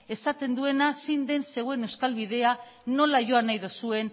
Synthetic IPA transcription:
e̞sat̪e̞nd̪ue̞nasijnd̪e̞nse̞ɣoene̞wskalβiðe̞a | no̞laʝo̞anajðusue̞n

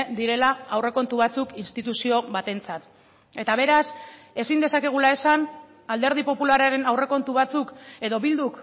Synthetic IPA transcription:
d̪iɾe̞laːwre̞ko̞nt̪uβ̞at͡sukinst̪it̪usio̞βat̪e̞nt͡sat̪ | e̞t̪aβ̞e̞ɾas | e̞sind̪e̞sake̞ɣ̞ulae̞san | ald̪e̞ɾð̞ipo̞pulaɾaɾe̞nawre̞ko̞nt̪uβ̞at͡suke̞ðo̞βild̪uk

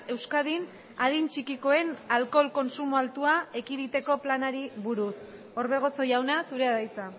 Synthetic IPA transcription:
e̞wskaðin | aðint͡ʃikiko̞e̞nalko̞lko̞nsumualt̪uae̞kiðit̪e̞ko̞planaɾiβuɾus | o̞ɾβe̞ɣ̞o̞so̞jawnasuɾe̞aðajt͡sa

